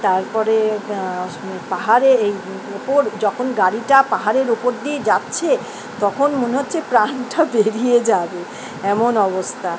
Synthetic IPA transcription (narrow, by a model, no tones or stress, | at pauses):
t̪aɾpɔɾe | paɦaɾeej | opoɾd͡ʑɔkʰonɡaɾiʈapaɦaɾeɾupoɾd̪ied͡ʑatːɕʰe | t̪ɔkʰonmoneɦotːɕʰepɾanʈabeɾijed͡ʑabe | ɛmonɔbost̪ʰa